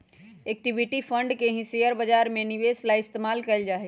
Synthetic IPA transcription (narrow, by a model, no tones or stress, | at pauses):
ek̚ʈibiʈipʰəɳɖkeɦĩsejəɾbəd͡ʒaɾmẽniʋeslaɪst̪emaːlkəɪld͡ʒaːɦɛ